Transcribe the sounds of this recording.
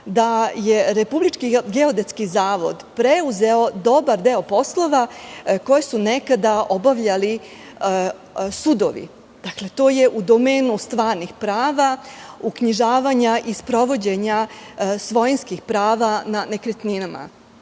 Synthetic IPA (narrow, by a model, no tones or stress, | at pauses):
d̪aje̞ɾepublit͡ʃkiɡeo̞d̪et̪skizaːʋo̞̰d̪pɾeuze̞od̪o̞baɾd̪eːopo̞slˠo̞ʋako̞jesunekad̪aʔo̞baʋʎali | sud̪o̰ʋḭ | d̪̥akle̞t̪o̞ːje̞ʔud̪o̞meːnust̪ʋaːɾnixpɾaːʋaukɲiʒaːʋaɲaʔispɾo̞ʋo̞d͡ʑeɲasʋojinskixpɾaːʋanane̞kɾet̪ninama̰